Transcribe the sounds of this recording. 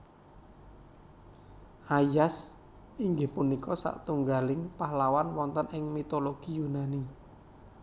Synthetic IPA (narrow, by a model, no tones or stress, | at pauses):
ʔajas | ʔiŋɡɪhpunikɔsa̰ʔt̪uŋɡalɪŋpahlawanwɔnt̪ənɪŋmit̪oloɡ̥ijunani